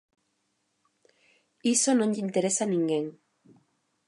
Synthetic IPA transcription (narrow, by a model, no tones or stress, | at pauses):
iso̞noɲɟint̪e̞ɾesanĩŋɡeŋ